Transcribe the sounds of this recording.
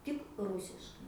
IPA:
tʲɪk ˈrʊsʲɪʃkɐɪ

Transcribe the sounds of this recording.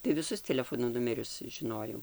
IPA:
tɐɪ ʋʲɪˈsʊs tʲɛlʲɛˈfoːnoː ˈnʊmʲɛrʲʊs ʒʲɪˈnoːjɛʊ

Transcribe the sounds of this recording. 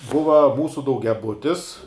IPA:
ˈbʊʋɐ ˈmuːsʊ dɐʊɡʲɛˈbʊtʲɪs

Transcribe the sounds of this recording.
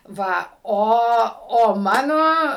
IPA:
ˈʋɐ ˈoː oː ˈmɑːnoː

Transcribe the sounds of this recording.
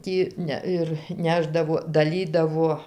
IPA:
ˈtʲiː nʲɛ ˈɪr ˈnʲæːʒdɐʋoː dɐˈlʲiːdɐʋoː

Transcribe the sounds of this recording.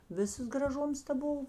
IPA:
ˈʋʲɪsɐs ɡrɐˈʒʊms tɐ ˈbʊw

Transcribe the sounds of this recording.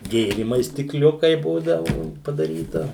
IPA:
ˈɡʲeːrʲiːmɐɪs sʲtʲɪkˈlʲʊkɐɪ ˈbuːdɐʋʊ pɐdɐˈrʲiːtɐ

